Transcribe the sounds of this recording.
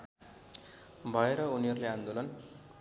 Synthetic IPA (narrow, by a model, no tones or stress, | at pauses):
bʱʌeɾʌuniɦʌɾuleãnd̪olʌn